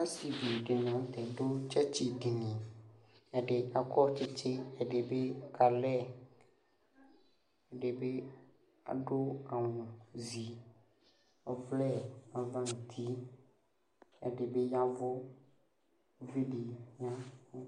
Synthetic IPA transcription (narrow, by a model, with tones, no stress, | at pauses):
ã˦si˨bi˨ɖe˨n˨ã˨˦t̪ɛ˨do˦t͡ʃɛ˦t͡ɕi˦ɖi˨nĩ˨ | ɛ˨ɖe˨ɲã˦kɔ˦t͡ʃe˦t͡ʃe˦ɛ˨ɖe˨be˦ka˨lɛ˦˨ | e˨ɖe˨be˦ | a̰˨ɖo˦a˨wũ˨zi˨ | ɔ˦vlɛ˦a˨vã˦ŋũ˨t̪ʰi˦ | ḛ˨ɖe˨be˦ɲã˦vo˦ | vi˦ɖi˨ɲã˦